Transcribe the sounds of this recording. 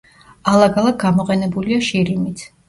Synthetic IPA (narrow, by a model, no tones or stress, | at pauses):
alˠaɡalˠaɡ̚ɡamɔqʼɛnɛbuliaʃiɾimit̪ʰ